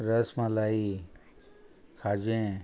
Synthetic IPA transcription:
ɾəsmãlaːi | kʰaːd͡ʒẽ

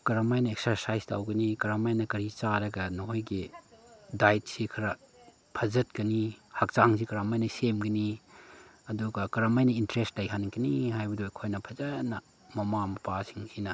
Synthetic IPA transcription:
kɐɾamajnɐek̚sɐɾsajsta̰wɡɐnikɐɾamajnɐkɐɾit͡ʃaɾɐɡɐnoɦojɡi | dajt̚sikʰɐɾɐ | pʰɐzɐt̚kɐnihak̚t͡ʃaŋsikɐɾamajnɐsemɡɐni | ɐduɡɐkɐɾamajnɐintɾestlajɦanɡɐniɦajbɐdoekʰojnɐpʰɐzɐnːɐ | mɐmamɐpasiŋhʰinɐ

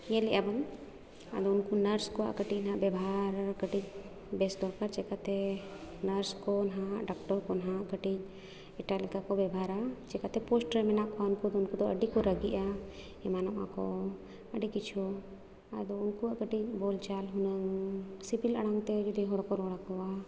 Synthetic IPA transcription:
jɛ̃lɛʔaban | a̰d̪ɔunkunəɾskɔa̰ʔkəʈic̚nɦaʔbɛbʱaɾakəʈic̚ | bɛsd̪ɔɾkaɾt͡ʃɛkat̪ɛnəɾskɔnaɦãʔɖak̚ʈɔɾkɔnɦãkəʈic̚ | ɛʈalɛkakɔbɛbʱaɾat͡ʃɛkat̪ɛpɔsʈɾɛmɛnaʔkɔwaunkud̪ɔunkud̪ɔʔəɖikɔɾəɡiʔa | ɛmanɔʔa̰kɔ | əɖikit͡ʃʰɔ | a̰d̪ɔunkuaʔkəʈic̚ˀbɔlt͡ʃalɦunəŋsipilə̰ɽaŋt̪ɛd͡ʒud̪ɛɦɔɽakɔɾɔɽakɔa

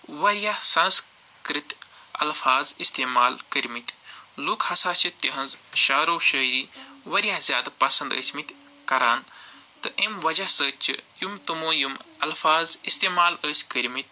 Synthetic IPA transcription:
ʋɐɾjahsɐns | kɾit̪ʲɐ̰lfaːzist̪eːmaːlkəɾʲmit̪ʲlukʰhɐsaːt͡ʃʰit̪iɦɐnzʃaːɾoːʃəːɾiːʋɐɾʲjahzʲjaːd̪pɐsɐnd̪ə̰ːsʲmit̪ʲ | kɐɾaːnt̪ɨʔemʋɐd͡ʒahsəːt͡ʃʰɨ̰jumt̪ɨmuːjumɐlfaːzist̪eːmaːləːsʲkəɾʲmit̪̚ʲ

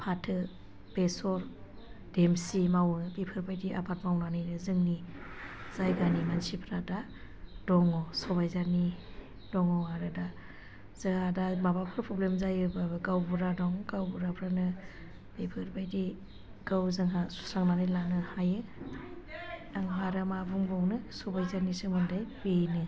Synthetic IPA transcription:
pʰatʰɯ | b̥esɔɾ | d̥emsimawbipʰɯɾbajdiʔa̰pʰatmawnanɯjnɯzɯŋni | z̥ajɡanimansipʰɾada | dɔŋɔsɔbajzaɾni | d̥ɔŋɔaɾɯda | z̥ɯhadamabapʰɯɾpʰɾɔblemzajɯbabɯɡawbuɾadɔŋɡawbuɾapʰɾanɯ | bepʰɯɾbajdi | ɡ̥awzɯŋɦasu̥saŋnanɯjlanɯhajɯ | aŋpaɾamabuŋbɔŋnɯsɔbajzaɾnisɯmɯndajbenɯ

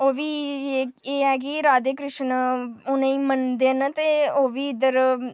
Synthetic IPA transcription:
oːʋiːeːeːɛːɡiɾaːd̪eːkɾɪʃnʊnẽĩːmənd̪eːənt̪eːoːʋiːɪd̪əɾ

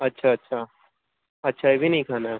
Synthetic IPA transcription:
ɐtːʃʰaɐtːʃʰaː | ɐtːʃʰaeːbʱinɐ̃ɦĩkʰaːna

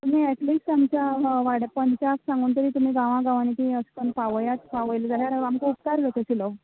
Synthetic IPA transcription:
t̪um̤iɛʈlisʈamt͡ɕaʋaɽpəɲt͡ɕaksãŋɡuːnt̪əɾiːt̪um̤iːɡãʋãɡaʋañit̪iəspənpaʋəjat̪paʋəjld͡zaɦjaɾaamkoupt̪aɾɡət̪əɕiləʋ

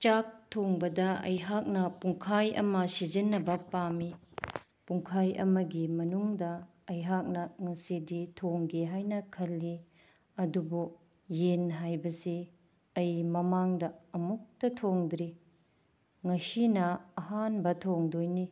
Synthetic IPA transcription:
t͡ʃak̚tʰoŋbɐdɐɐ̰jɦak̚nɐpuŋkʰajɐ̰mɐsizinːɐbɐpami | puŋkʰajɐ̰mɐɡimɐnuŋdɐ | ɐjɦak̚nɐŋɐsiditʰoŋɡeɦajnɐkʰɐlːi | ɐdubu | jenɦajbɐse | ɐjmɐmaŋdɐɐmuk̚tɐtʰoŋdɾi | ŋɐsinɐːɦanbɐtʰoŋdojni

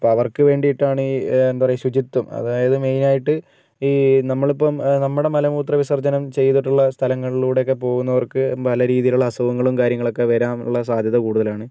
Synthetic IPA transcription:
ɐpːoːɐʋɐrkɨʋe̞ːɳɖiiʈːaːɳiend̪aɐrɐjɕwud͡ʑit̪ːɐmɐ̰ðaːjɐðɨme̞jnaːjiʈːɨ | iːnɐmːɐɭipːɐmnɐmːuɽe̞mɐlɐmuːt̪rɐʋisɐrd͡ʑɐnɐmt͡ɕe̞jt̪ːiʈːuɭːɐst̪ʰɐlɐŋːɐɭiluːɽe̞jokːe̞p̬o̞ːɣunːɐʋɐrkɨpɐlɐɾiːðijiluɭːɐsɐʋɐŋːɐɭumkaːɾjɐŋːɐɭo̞kːe̞ʋɐɾaːmṵɭːɐs̬aːd̪ʱjɐðɐkuːɽuðɐlaːɳɨ

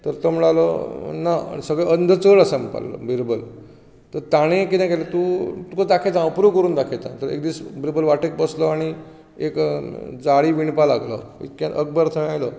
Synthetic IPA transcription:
t̪əɾt̪ɔmlalɔnaa̰ɳisəɡɭɛənd̪ʱət͡səɭəsə̃mpa̰llɔ̰bʱiɾbəl | t̪əɾt̪aɽ̃ẽkit̪ɛ̃kɛlət̪ut̪ukəd̪akʰet̪ãəpɾukəɾuːnd̪akʰet̪ã̰t̪əɾḛk̚d̪iːsbʱiɾbəlʋaʈek̚bəslɔaɽ̃i | ekd͡zaɽiʋiɳpalaɡlɔ̰ḭt̪kãəɡ̚bəɾt̪ʰəm̃ajlɔ

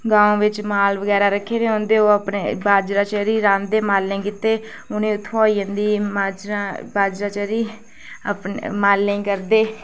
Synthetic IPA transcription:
ɡãːõːʋɪt͡ʃmaːlʋəɡɛːɾaːɾəkʰːeːneɦõːnd̪eːoːəpnḛːbaːd͡ʒɾaːt͡ʃəɾiːɾãːnd̪eːmaːlnẽːkɪt̪eː | ʊnẽːʊt̪ʰːaːiːɦə̃nd̪iːmaːd͡ʒɾabaːd͡ʒɾaːt͡ʃəɾiː | əpnmaːlːẽĩːkəɾd̪eː

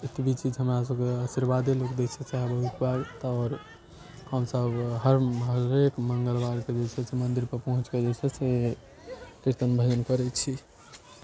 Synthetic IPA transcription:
et̪bʱit͡ʃʰid͡ʒɦəmɾas̬əbkeəsiɾbad̪ilokd̪et͡ʃʰɛseabəɦut̪baɡt̪ɔːɾ | həmsəbɦəɾɦəɾekməŋɡəlbaɾked͡ʒet͡ʃʰɛsemənd̪iɾpəɾpəɦũt͡ʃked͡ʒet͡ʃʰɛse | kiɾt̪ənbʱəd͡ʒənkəɾɛtt͡ʃʰi

